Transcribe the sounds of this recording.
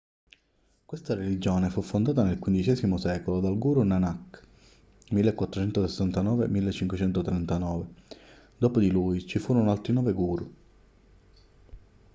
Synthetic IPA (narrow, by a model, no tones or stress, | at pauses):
kwest̪aɾelid͡ʒoːnefufːond̪aːt̪anelkwind̪it͡ʃɛːzimosɛːkolod̪alɡuːɾunanakː | milːekwat̪ːɾot͡ʃɛnt̪osesːant̪anɔːvḛmilːet͡ʃːiŋkwet͡ʃɛnt̪ot̪ɾɛnt̪anɔːve | d̪oːpod̪iluːjt͡ʃifuːɾonoalt̪ɾinɔːveɡuːɾu